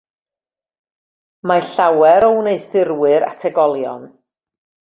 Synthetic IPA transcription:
maɬawɛɾɔwneɨθɪrwɨɾa̰tʰɛɡɔlˠjɔ̰n

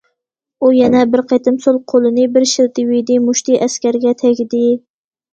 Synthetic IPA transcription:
ujɛnɛbɪɾqʰet̪ɪmsolˠqʰolˠɨnɪbɪɾʃɪlt̪ɪwid̪ɪmuʃt̪iʔæskʲæɾɡʲɛt̪ʰɛkʲɪd̪ɪ

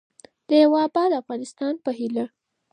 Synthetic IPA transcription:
d̪̥əjawɑbɑd̪əafɣɑnɪst̪ɑnpəɦila

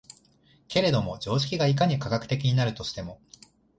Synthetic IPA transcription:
ke̞ɾe̞d̪o̞mo̞d͡ʑo̞ːʑi̥kʲiɡaikaɲ̟ikaɡakɯ̟̥t̪e̞kʲiɲ̟inaɾɯ̟t̪o̞ɕi̥t̪e̞mo̞

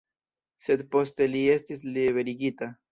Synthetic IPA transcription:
set̪post̪eliest̪isliβeɾiɡit̪a

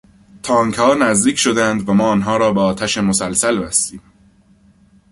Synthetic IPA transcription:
t̪ʰɒːŋkʰhɒːnæzd̪iːcʰʃod̪ænd̪væmɒːnɦɒːɾɒːbeɒːt̪ʰæʃemosælsælbæst̪iːm

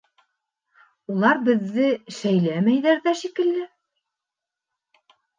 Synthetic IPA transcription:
ulˠɑɾbɘ̆ðːɘʃæjlæmæjðæɾðæʃikɘ̆lːɘ

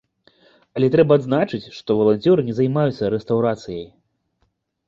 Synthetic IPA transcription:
ɐlʲɛt̪ɾɛbɐːd̪znat͡ʂɨt͡sʲʂt̪ɔvɐlˠanʲt͡sʲɔɾɨnʲɛzajmajut̪sːɐɾɛst̪awɾat̪sɨjɐj

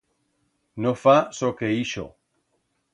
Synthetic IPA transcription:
nofasokeiʃo̰

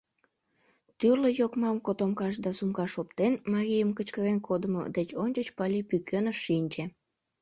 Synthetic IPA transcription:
t̪yrləjokmɑmkot̪omkɑʃ̬d̪ɑsumkɑʃopt̪enmɑɾʲijəmkət͡ɕkəɾenkʰod̪əmo̰d̪et͡ɕonʲt͡ɕət͡ɕpɑlʲipykʰønəʃːinʲt͡ɕe

